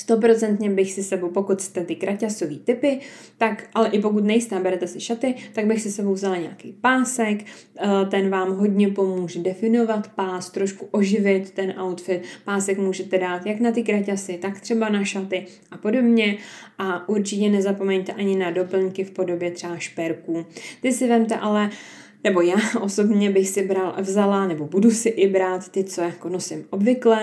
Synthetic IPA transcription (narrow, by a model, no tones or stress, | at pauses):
st̪o̞pɾo̞t͡sɛnt̪ɲɛbɪxsɪsɛbowpo̞kut̪st̪ɛt̪ɪkɾʔacaso̞viːt̪ɪpɪt̪akʔalɛʔɪp̬o̞k̬ut̪̬nɛjɪst̪ɛːbɛɾɛt̪ɛsɪʃat̪ɪt̪aɡbɪxsɪsɛbowvzalaɲɛa̰kɛjpaːsɛk | t̪ɛnvaːmɦo̞dɲɛpo̞muːʒɛdɛfɪno̞vat̪paːst̪ɾo̞ʃkuʔo̞ʒɪvɪt̪ːɛnʔawt̪fɪt̪paːsɛkmuːʒɛt̪ɛdaːt̪jaknat̪ɪkɾacasɪt̪akt̪r̝̥ɛbanaʃat̪ɪ | ʔapo̞do̞bɲɛʔaʔuɾt͡ʃɪcɛnɛzapo̞mɛɲt̪ɛʔaɲɪnado̞pl̩ɲkɪfpo̞do̞bjɛt̪r̥ɛbaʃpɛɾkuːt̪ɪsɪvɛmt̪ɛʔalɛ | nɛbo̞jaːʔo̞so̞bɲɛbɪxsɪbɾalvzalanɛbo̞budusɪʔɪbɾaːt̪ːɪt͡so̞jako̞no̞sɪmʔo̞bvɪklɛ